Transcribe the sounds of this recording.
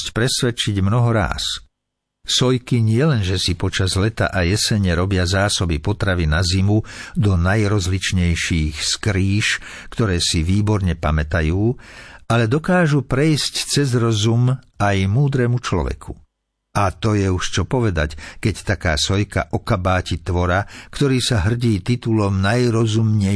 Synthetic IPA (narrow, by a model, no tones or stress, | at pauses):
scpɾɛsʋɛt͡ʃiɟmnɔɦɔɾa̰ːs | sɔjkiɲɪɛlɛnʒɛsipɔt͡ʃazlɛt̪a̰ʔajɛsɛɲɛɾɔbɪazaːsɔbipɔt̪ɾaʋinazimud̪ɔnajɾɔzlit͡ʃɲɛjʃiːxskɾiːʃ | kt̪ɔɾɛːsiʋiːbɔɾɲɛpamɛt̪ajuːalɛd̪ɔkaːʒupɾɛjsct͡sɛzɾɔzumajmuːd̪ɾɛmut͡ʃlɔ̰ʋɛ̰kʰu | at̪ɔjɛuʃt͡ʃɔpɔʋɛd̪a̰ckɛct̪akaːsɔjka̰ʔɔkabaːcit̪ʋɔɾakt̪ɔɾiːsaɦr̩ɟiːt̪it̪ulɔmnajɾɔzumɲɛ